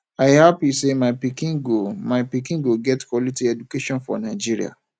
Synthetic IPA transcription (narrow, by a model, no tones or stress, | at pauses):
aɪhapisemaɪpikĩŋɡomaɪpikĩŋɡoɡɛtkʰwɔlitiɛdukeʃɔ̃nfɔ̰nãɪd͡ʒiɾḭa̰